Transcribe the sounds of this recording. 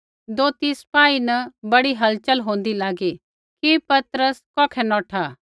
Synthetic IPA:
d̪oːt̪ispaːinɐbɐɽiɦɐlt͡ʃəlɦõːnd̪ilaːɡi | kipɐt̪ɾəskɔːkʰɛnɔːʈʰaː

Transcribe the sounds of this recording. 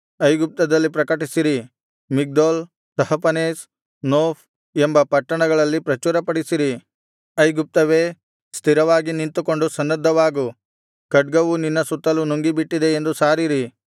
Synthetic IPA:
ɐjɡup̚t̪ɐd̪ɐlːipɾɐkɐʈisiɾi | miɡ̚d̪oːl | t̪ɐɦɐpɐneːs | noːf | embɐpɐʈːɐɳɐɡɐɭɐlːipɾɐt͡ʃuːɾɐpɐɽisiɾi | ɐjɡup̚t̪ɐʋeː | st̪ʰiɾɐʋaːɡiniɳt̪uko̞ɳɖusɐnːɐd̪ʱːɐʋaːɡu | kɐɖ̚ɡɐʋuninːɐsut̪ːɐlunuŋɡibiʈːid̪e̞end̪usaːɾiɾi

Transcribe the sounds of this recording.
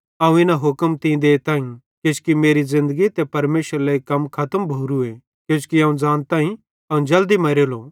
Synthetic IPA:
ɐũɪnaɦʊkəmt̪ĩd̪eːt̪ãːĩ | kjoːt͡ʃkimeːɾizɪ̃nd̪əɡit̪epɐɾmeːsəɾleikɐmkʰɐt̪əmbʱuːɾue | kjõːt͡ʃkiɐ̃ːũd͡zaːnt̪ãːĩ | ɐũd͡ʒɐld̪imɐɾeːloː

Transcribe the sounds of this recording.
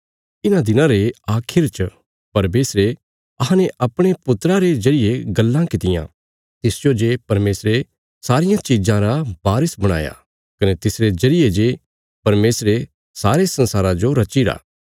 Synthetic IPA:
ɪnãd̪ɪnãɾeaːkʰɪɾt͡ʃ | pɐɾmeːsɾe | ɐɦãneʔɐpɽ̃epʊt̪ɾaɾed͡ʒɐɾɪjeɡɐlːãkɪt̪ɪjã̰ | t̪ɪsd͡ʒod͡ʒepɐɾmeːsɾe | saːɾɪjãt͡ʃɪd͡ʒãɾabaːɾɪsbɐɽ̃a̰ːja̰ | kɐnet̪ɪsɾed͡ʒɐɾɪjed͡ʒeː | pɐɾmeːsɾe | saːɾesɐ̃nsaːɾãd͡ʒoɾɐt͡ʃiɾa̰ː

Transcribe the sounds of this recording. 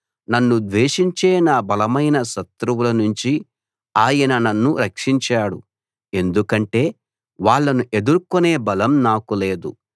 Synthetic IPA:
nɐnːud̪ʋeːʂiɲt͡ʃeːnaːbɐlɐmɐjnɐʃɐt̪ɾuwulɐnuɲt͡ʃi | aːjɐnɐnɐnːuɾɐkʂiɲt͡ʃaːɽu | e̞nd̪ukɐɳʈe̞ː | ʋaːɭːɐnuʔe̞d̪uɾkone̞ːbɐlɐmnaːkule̞ːd̪u

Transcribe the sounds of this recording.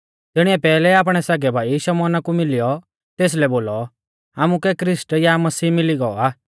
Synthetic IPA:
t̪ɪɽ̃iɛpɛːlɛaːp̬ɽ̃ɛsaɡɛbʱaːiʃɐmɔːnakumɪlɪjɔ | t̪eːs̬lɛboːlɔ | aːmukɛkɾɪsʈjamɐsiːmɪliɡɔɔaː

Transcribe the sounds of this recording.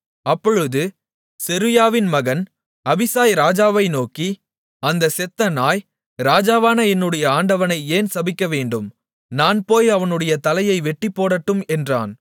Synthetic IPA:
ɐpːɔɻɯðɯ | sɛɾɯjaːʋɪnmɐɣɐn | ɐbɪsaːjɾaːd͡ʒaːʋɐɪnoːki | ɐnd̪ɐsɛt̪ːɐnaːj | ɾaːd͡ʒaːʋaːnɐɛnːɯɽɐjɐaːɳɖɐʋɐnɐɪeːnsɐbɪkːɐʋeːɳɖɯm | naːnpoːjɐʋɐnɯɽɐjɐt̪ɐlɐjɐɪʋɛʈːipːoːɽɐʈːɯmɛndra̰ːn

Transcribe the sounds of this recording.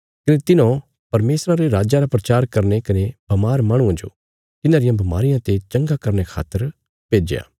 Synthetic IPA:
kɐnet̪ɪnõ | pɐɾmeːsɾaɾeɾaːd͡ʒaɾapɾɐt͡ʃaːɾkɐɾnekɐneb̥ɐmaːɾmaːɽ̃ũãd͡ʒo̰ | t̪ɪnãːɾɪjãbʱɐmaːɾɪjãt̪et͡ʃɐ̃ŋɡakɐɾnekʰa̰ːt̪ːəɾ | peːd͡ʒeja̰ː

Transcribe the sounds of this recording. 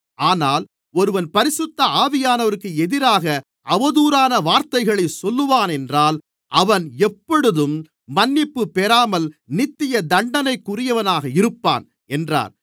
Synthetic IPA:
aːnaːl | ɔɾɯʋɐnpɐɾɪsɯt̪ːɐaːʋɪjaːnɐʋɐɾɯkːɯɛðɪɾaːɣɐ | ɐʋɐðuːɾaːnɐʋaːɾt̪ɐɪɣɐɭɐɪsɔlːɯʋaːnɛndraːl | ʔɐʋɐnɛpːɔɽɯðɯm | mɐnːɪpːɯpːɛɾaːmɐlnɪt̪ːɪjɐd̪ɐɳɖɐnɐɪkːʊrɪjɐʋɐnaːɣɐɪɾɯpːa̰ːn | ɛndra̰ːɾ

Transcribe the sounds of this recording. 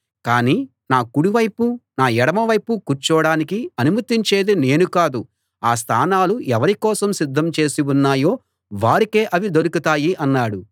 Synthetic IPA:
kaːniː | naːkuɽiʋɐjpunaːɛɽɐmɐʋɐjpukuɾt͡ʃɔːɽaːnikiɐnumɐt̪ːiɲt͡ʃe̞ːd̪ine̞ːnukaːd̪u | aːs̬t̪ʰaːnaːluɛʋɐɾikɔːsɐmsid̪ʱːɐmt͡ʃe̞ːsiunːaːjo̞ː | ʋaːɾike̞ːʔɐʋid̪oɾukut̪aːjiʔɐnːaːɽu

